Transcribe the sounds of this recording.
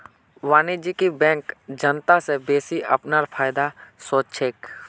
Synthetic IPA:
ʋaːnid͡ʒikibɛ̃ːŋkd͡ʒənt̪asebeːsiʔɐ̰pnaɾpʰaːɪd̪asoːtt͡ʃʰeːk

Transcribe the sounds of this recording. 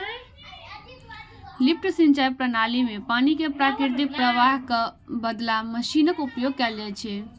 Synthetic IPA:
lip̚ʈsĩnt͡ʃajpɾənalimepaːnikepɾakɪɾd̪ik̚pɾəʋaɦkəbəd̪laməʃinəkupjoɡ̚kɛld͡ʒɛt͡ʃʰɛ

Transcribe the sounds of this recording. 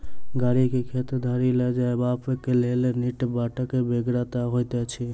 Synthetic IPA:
ɡaɾikekʰet̪d̪ʱaɾilɛd͡ʒaebapekeleleniʈbaʈəkebeɡɾat̪aɦojt̪ɛt͡ʃʰi

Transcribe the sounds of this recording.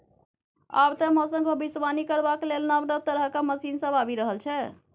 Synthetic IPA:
a̰bt̪əmɔ̃sə̃ŋɡʱəbisʋanikəɾbaklelnabnəb̚t̪əɾəkaməsinsə̃babiɾəɦəlt͡ʃʰɛ

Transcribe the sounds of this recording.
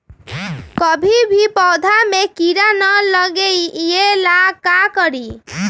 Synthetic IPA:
kəbʱibʱipɔwd̪ʱamekiɾanələɡeielakakəɾi

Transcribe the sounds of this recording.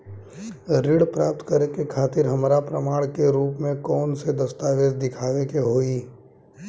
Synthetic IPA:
ɾɪɽpɾaːp̚t̪kəɾekekʰaːt̪ɪɾɦɐmɾapɾəmaːɽ̃keɾuːpmẽkɔːnsed̪ɐst̪aːʋeːd͡ʒd̪ɪkʰaːʋekeɦoːiː

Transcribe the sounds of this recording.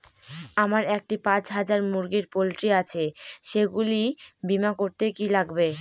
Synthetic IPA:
amaɾek̚ʈipãt͡ɕɦad͡ʑaɾmuɾɡiɾpolʈiat͡ɕʰeʃeɡulibimakoɾt̪ekilaɡbe

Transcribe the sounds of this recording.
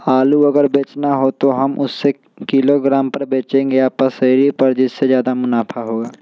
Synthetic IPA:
aːluɐɡəɾbeːt͡ʃnaɦot̪oɦɐmʔʊsːe | kɪloɡɾaːmpɐɾbeːt͡ʃẽŋɡeaːpəsəɾipɐɾd͡ʒɪsːezjaːd̪amʊnaːpʰaɦoːɡaː

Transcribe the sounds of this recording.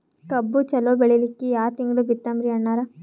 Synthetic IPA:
kɐbːut͡ʃɐloːbeɭilikːijaːt̪iŋɡɭubit̪ːɐmɾiɐɳːaːɾɐ

